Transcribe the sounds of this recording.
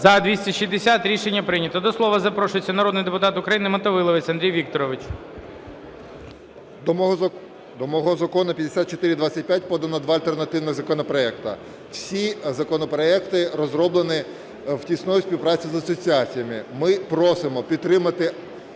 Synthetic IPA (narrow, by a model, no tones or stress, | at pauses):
zɐd̪ʲʋʲisʲtʲiʃizd̪esʲat̪ɾʲiʃenʲːɐpɾɪnʲɐt̪ɔd̪ɔslˠɔʋɐzɐpɾɔʃʊjet͡sʲːɐnɐɾɔd̪nɪjd̪epʊt̪ɑt̪ʊkɾɐjinɪmɐt̪ɔʋɪlˠɔʋɪt͡sʲɐnd̪ɾʲijʋʲik̚t̪ɔɾɔʋɪt͡ʃ | d̪ɔmɔɦɔzɐkɔnʊpʲjɐd̪esʲat̪̚t͡ʃɔt̪ɪɾʲɪd̪ʋat͡sʲːɐt̚ʲpʲjat̚ʲpɔd̪ɐnɔd̪ʋɑɐlʲt̪ernɐt̪ɪwnɪɣzɐkɔnɔpɾɔɛk̚t̪ɐ̰ | w̥sʲizɐkɔnɔpɾɔɛkt̪ɪɾɔzɾɔblˠenɪ | wtʲisnɔjʊsʲpʲiwpɾɑt͡sʲizɐsɔt͡sʲiat͡sʲijɐmɪmɪpɾɔsɪmɔpʲidt̪t̪ːɾɪmɐt̪ɪ